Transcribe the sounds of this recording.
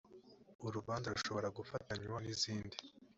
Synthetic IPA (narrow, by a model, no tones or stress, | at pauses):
uɾuβaːnzaɾuʃo̞βo̞ɾaɡufataɲwaniziːndi